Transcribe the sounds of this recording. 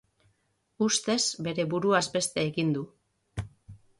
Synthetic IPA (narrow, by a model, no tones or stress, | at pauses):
ust̪e̞zbe̞ɾe̞βuɾuazbe̞st̪e̞ːɣind̪u